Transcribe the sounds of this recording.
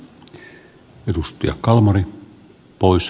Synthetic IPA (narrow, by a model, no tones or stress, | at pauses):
ed̪ust̪iɑ̰kkɑlmɑri | pois